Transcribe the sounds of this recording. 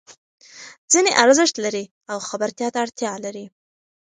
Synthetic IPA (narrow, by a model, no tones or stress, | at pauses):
d͡zineʔaɾzəʂt̪laɾi | awxabaɾt̪jɑt̪aːɽt̪jɑlaɾi